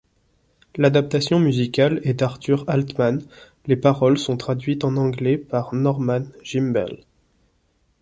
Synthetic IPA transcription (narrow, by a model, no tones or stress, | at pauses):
lad̪ap̚t̪asjɔ̃myzikʲalɛd̪aʁt̪yʁalt̪man | lepaʁɔlsɔ̃t̪χad̪ɥit̪ɑ̃nɑ̃ɡlɛpaʁnɔʁmanʒ̥imbɛ̰l